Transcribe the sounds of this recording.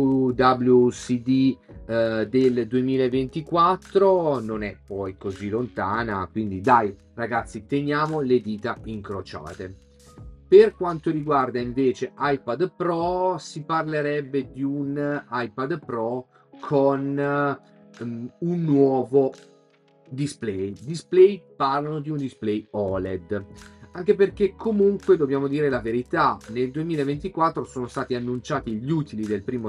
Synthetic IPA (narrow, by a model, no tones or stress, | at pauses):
d̪ablusid̪i | d̪eld̪uemiːlaevent̪ikwat̪ːɾononɛpːɔjkozilont̪aːna̰kwind̪id̪aj | raɡat̪sːit̪enjaːmoled̪iːt̪aiŋkɾot͡ʃa̰ːt̪e | perkwant̪oɾiɡward̪aiɱveːt͡ʃeʔajpad̪pɾɔsiparleɾɛbːed̪iunajpad̪pɾɔ | kʰon | unːwɔːvo | d̪isplɛjd̪isplɛjparlanod̪iund̪isplɛjɔled̪aŋkeperkekʰːomuŋkwed̪objaːmod̪iːɾelaveɾit̪aneld̪uemiːlaevent̪ikwat̪ːɾosoːnost̪aːt̪ianːunt͡ʃaːt̪iʎuːt̪ilid̪elpɾiːmo